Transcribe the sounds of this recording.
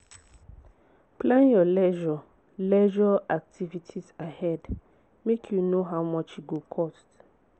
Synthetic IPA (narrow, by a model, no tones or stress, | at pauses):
pʰlãnjɔlɛʒɔ | lɛʒɔʔak̚tʰivitʰisahɛd | mekʰjunoɦawmɔt͡ʃiɡokʰɔst